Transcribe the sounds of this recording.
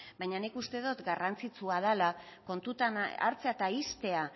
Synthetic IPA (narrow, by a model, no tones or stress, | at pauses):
bajɲanikust̪e̞ðut̪ɡarant͡sit͡suaðalako̞nt̪ut̪ana̰ɾt͡seat̪aist̪e̞a